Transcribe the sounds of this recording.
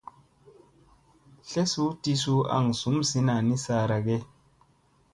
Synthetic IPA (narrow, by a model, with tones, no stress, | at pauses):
ɬe˦su˦ti˧su˦a̰˨ŋsu˨˦msi˧na˨ni˦sa˧˨ɾa˨ɡe˦